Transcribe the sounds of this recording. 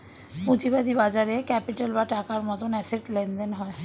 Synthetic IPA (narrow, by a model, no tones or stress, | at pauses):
pũt͡ɕibad̪ibad͡ʑaɾekɛpiʈalbaʈakaɾmɔt̪onɛseʈlend̪enɦɔe